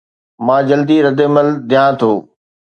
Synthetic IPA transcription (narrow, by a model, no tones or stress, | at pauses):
mãːd͡ʑɐld̪iɾɐd̪eməld̪ʱɪjãːt̪ʰoː